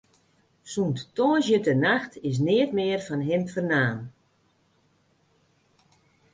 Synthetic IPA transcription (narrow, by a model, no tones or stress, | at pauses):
sunttɔːzjətənaxtɪs̬nɪətmɪːərfɔnɦɪnfərnaːn